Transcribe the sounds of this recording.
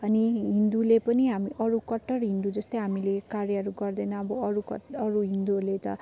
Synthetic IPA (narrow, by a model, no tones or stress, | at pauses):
ʌniɦind̪ulepʌniɦamiʔʌɾukʌʈːʌrɦind̪ud͡zʌst̪ʌjɦamilekarjʌɦʌɾuɡʌrd̪ʌnʌːbʌʌɾukʌ̰ʈʌɾuɦind̪uɦʌrlet̪ʌ̰